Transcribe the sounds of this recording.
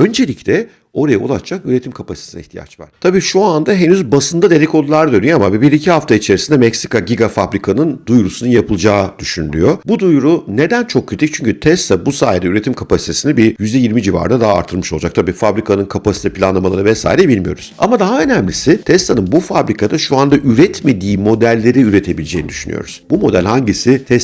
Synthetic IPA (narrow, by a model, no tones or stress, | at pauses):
ø̞nd͡ʒe̞lʲiclʲɛ | o̞ɾajaolˠaʃt͡ʃʰakyɾe̞t̪ʰimkʰapasi̥t̪esinɛiht̪ʰija̰t͡ʃva̰ɾ̥t̪ʰabiːʃuand̪aɦe̞nyzbasɯnd̪ad̪e̞ɾɛco̞lˠlˠaɾad̪ønyjo̞amavɛbiɾicʰiɦaft̪ʰait͡ʃʰeɾisind̪ɛmɛcsi̥kaɟiɡafabɾikʰanɯnd̪ujɾusunɯnjapʰɯlˠd͡ʒaːd̪̥yʃyny̰lʲy̰jo̞bud̪ujɾune̞d̪ænt͡ʃʰo̞kʰːɾit̪ic̚t͡ʃʰyɲcʰyt̪ʰɛst̪ʰabusaːjed̪ɛyɾe̞t̪ʰimkʰapasit̪ʰe̞sinibijyzd̪ɛjiɾmid͡ʒiva̰ɾnad̪aɦa̰ːɾt̪ʰɯɾˠmɯʃo̞lˠd͡ʒak̚t̪ʰabiːfabɾikʰanɯnkʰapasi̥t̪ʰɛpʰilʲanlˠamalˠaɾɯvɛsa̰ːiɾɛbilʲmijo̞̰ɾṵz̥a̰mad̪aɦaø̞næmlʲisɪt̪ʰɛst̪ʰanɯnbufabɾikʰad̪aʃuand̪aʔyɾɛt̪me̞d̪iːmo̞d̪ælʲːe̞ɾiyɾe̞t̪ʰe̞bilʲed͡ʒeːnid̪yʃyny̰jo̰ɾuz̥bumo̞d̪ælʲhaɲɟisit̪ʰɛs